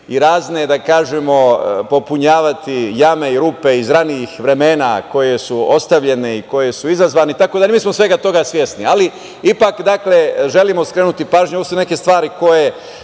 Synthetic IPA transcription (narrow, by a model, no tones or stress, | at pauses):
iɾaːzne̞d̪akaːʒemo̞po̞puɲaːʋat̪ijame̞iɾuːpe̞izɾaniixʋɾe̞me̞ːnako̞je̞suo̞st̪aʋʎe̞ne̞iko̞je̞suizazʋaːnit̪akod̪amiːsmosʋe̞ɡat̪o̞ɡasʋje̞sniali | ipakd̪akle̞ʒe̞limo̞skɾe̞ːnut̪ipaːʒɲuoʋosune̞ke̞st̪ʋaːɾiko̞je̞